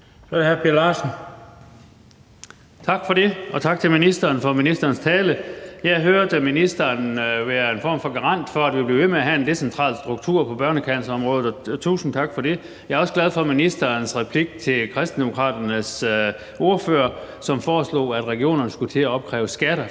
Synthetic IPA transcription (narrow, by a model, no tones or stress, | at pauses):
shæpʰiɐlɑːsn̩ | t͡sʰɑ̈ɡ̥fɒ̽ɾe̝ʔɒ̽t͡sʰɑ̈ɡ̥̚t͡sʰe̝lminisd̥ɐːnfɒ̽minisd̥ɐːnst͡sʰɛːləjɑɪɦøɐd̥əminisd̥ɐːnʋæːɐe̝nfɒ̰ːmfɒ̽ɡ̥ɑʁɑ̈n̰d̥fɒæd̥ʋib̥le̝ʋemeæɦæe̝nd̥e̝sent͡sʰʁɑ̰̈ːlsd̥ʁuɡ̥̚t͡sʰuɐ̰pʰɒ̽b̥ɶɐnəkʰænsɐɒ̽mʁɔ̽ːð̩ˠɒt͡sʰṵːsn̩t͡sʰɑ̈ɡ̥fɒ̽de̝ | jɑɪɐɒ̽sɡ̥læð̞ˠfɒ̽minisd̥ɐːnsʁɛpʰliɡ̥̚t͡sʰe̝lkʰʁɛsd̥n̩d̥emo̝kʰʁɑ̰ːd̥ɐnəs | o̝ɐfø̰ːɐ | sɒ̽mfɒːslo̰ːæd̥ʁɛɡ̥io̝̰ːnɐnəsɡ̥ut͡sʰe̝æɒ̽b̥̚kʰʁɛ̰ːʊsɡ̥æɾ̥ɐ